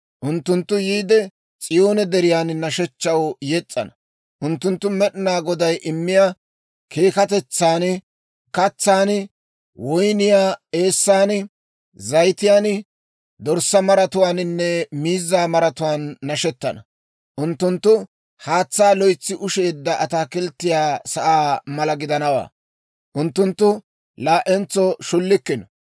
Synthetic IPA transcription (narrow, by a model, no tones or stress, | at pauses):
ʔʊnt̪ːʊnt̪ːʊjiːd̪ɛ | t͡sʼɪjo̞ːnɛd̪ɛɾɪjaːnnɐʃɛt͡ʃːɐwjɛt͡sʼːɐ̰nɐ | ʔʊnt̪ːʊnt̪ːʊmɛɗɪnaːɡɔd̪ɐjʔɪmːɪja | kʰe̞ːkɐt̪ɛt͡sːaːn | kɐt͡sːaːn | wɔjnɪjaːe̞ːsːaːn | zɐjt̪ɪjaːn | d̪ɔɾsːɐmɐɾɐt̪ʊwaːnɪnːɛmiːzːaːmɐɾɐt̪ʊwaːnːɐʃɛt̪ːɐnɐ̰ | ʔʊnt̪ːʊnt̪ːʊ | haːt͡sːaːlɔjt͡sːɪʔʊʃe̞ːd̪ːɐɐt̪aːkɪlt̪ːɪjaːsɐʔaːmɐlɐɡɪd̪ɐnɐwa̰ː | ʔʊnt̪ːʊnt̪ːʊ | laːʔɛnt͡sːɔʃʊlːɪkːɪnɐ